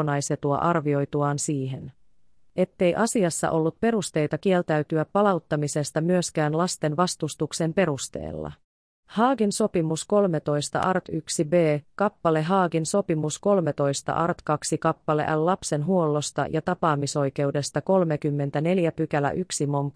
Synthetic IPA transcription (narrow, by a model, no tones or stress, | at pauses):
nɑjse̞t̪uɑ̰ʔɑrʋio̞jt̪uɑːnsiːɦe̞n | e̞t̪ːe̞jʔɑsiɑsːɑ̰ʔo̞lːut̪̚pe̞ɾust̪e̞jt̪ɑk̟ie̞lt̪æyt̪yæpːɑlɑwt̪ːɑmise̞st̪ɑmyøskæːnlɑst̪e̞nʋɑst̪ust̪ukse̞mpe̞ɾust̪e̞̰ːlːɑ̰ | hɑːɡinso̞pimusko̞lme̞t̪o̞jst̪ɑ̰ʔɑrt̪yksibe̞ːkɑpːɑle̞ɦɑːɡinso̞pimusko̞lme̞t̪o̞jst̪ɑ̰ʔɑrt̪kɑksikɑpːɑle̞̰ʔælːlɑpse̞nɦuo̞lːo̞st̪ɑ̰jʔɑt̪ɑpɑːmiso̞jke̞uwde̞st̪ɑko̞lme̞kymːe̞nt̪æne̞ljæpykælæ̰ʔyksimo̞ŋk